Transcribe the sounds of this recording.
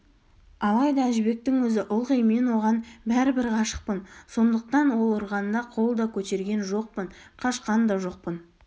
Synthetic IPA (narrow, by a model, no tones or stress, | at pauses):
ɑlˠɑjd̪ɑæʒɪbe̞k̚t̪ɪŋwɵzɪʔʊlˠʁijme̞nwo̞ʁɑnbæɾɪbɪɾqʰɑʃə̥q̚pənso̞nd̪əq̚t̪ɑnwolˠʊɾʁɑnd̪ɑqʰo̞lˠd̪ɑkʲʰɵt̪e̞ɾɡʲe̞nʒo̞q̚pənqʰɑʃqɑnd̪ɑʒo̞q̚pən